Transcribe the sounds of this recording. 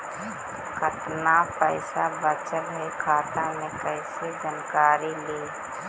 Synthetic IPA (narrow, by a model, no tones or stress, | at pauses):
kət̪napəɪsabət͡ʃəlɦekʰaːt̪ãnekəɪsed͡ʒənkaːɾiliː